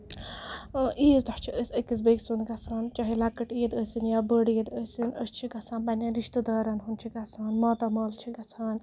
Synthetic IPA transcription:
ʔiːzd̪ɔht͡ʃʰiəsʲəkis̬beːksunɡɐt͡sʰaːnt͡ʃɐɦilɐkɐʈiːd̪əːsinjaːbəɽijed̪əːsinəst͡ʃʰiɡɐt͡sʰaːnbɐnʲanɾiʃt̪ɐd̪ɐːɾɐnɦunt͡ʃʰiɡɐt͡sʰaːnmɐːt̪ɐmɐːlt͡ʃʰiɡɐt͡sʰaːn

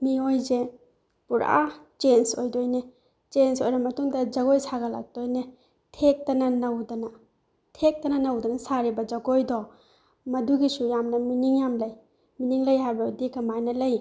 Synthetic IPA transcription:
miojze | puɾa̰t͡ʃensojdojne | t͡ʃensojɾɐmɐtuŋdɐd͡ʒɐɡojsaɡɐla̰k̚d̥ojne | tʰek̚tɐnɐnɐwdɐnɐ | tʰek̚tɐnɐnɐwdɐnɐsaɾibɐd͡ʒɐɡojdɔ | mɐduɡisujamnɐminiŋjamlɐj | miniŋlɐjɦajbaudikːɐmajnɐlɐj

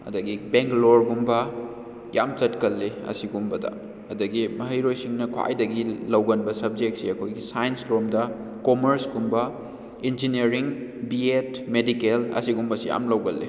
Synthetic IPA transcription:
ɐ̰dɐɡibeŋkloɾɡumbɐ | ja̰mt͡ʃɐtkɐlːiɐ̰siɡumbɐdɐ̰ | ɐdɐɡimɐɦɐjɾojsiŋnɐkʰwa̰jdɐɡilɐwɡɐnbɐsɐb̚d͡ʒek̚tsiɐkʰojɡisajensɾomdɐ | komɐɾsɡumbɐ | ind͡ʒiniɐɾiŋbietmedikelɐ̰siɡumbɐsija̰mlɐwɡɐlːḭ

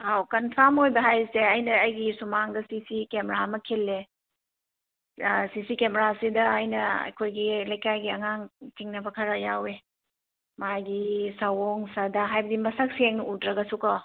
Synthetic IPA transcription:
awkɐnpʰamojbɐɦajseɐjnɐːjɡisumaŋdɐsisikemeɾamɐkʰelːe | sisikemeɾasidɐːjnɐɐ̰jkʰojɡilɐjkajɡiɐŋaŋtʰiŋnɐbɐkʰɐɾɐjawe | majɡisɐwoŋsadɐɦajbɐdimɐsɐk̚seŋnudɾɐɡɐsukɔ

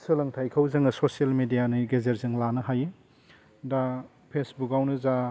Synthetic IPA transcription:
sɯlɐŋtʰajkʰawzɐŋɐsosielmedijaniɡezeɾzɯŋlanɯɦaje | da | pʰesbukawnɯza

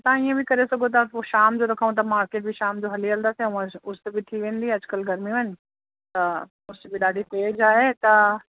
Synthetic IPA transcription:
t̪ɐãiẽbʱikɐɾesɐɡʱot̪̬ɐoʃaːmd͡ʑoɾɐkʰaːʋũt̪̬ɐmaːɾkeːʈ̚bʱiʃaːmd͡ʑoɦɐliɐld̪aːseʋãʊst̪ebʱit̪ʰiʋẽːn̆d̪iɐd͡ʑkəlɡʱɐɾmiʋɐn | t̪ɐ | ʊsbʱiɗaːɖʱipeed͡ʒaːet̪ɐ

